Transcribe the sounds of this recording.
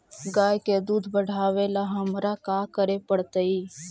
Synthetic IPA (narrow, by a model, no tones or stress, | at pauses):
ɡaːjked̪uːd̪ʱbəɽ̤aːʋelaɦəmɾakaːkəɾepəɽt̪əiː